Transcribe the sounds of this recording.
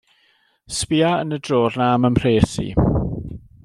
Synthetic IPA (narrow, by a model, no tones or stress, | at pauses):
spɪaənədroːrnaməmʰr̥eːsḭ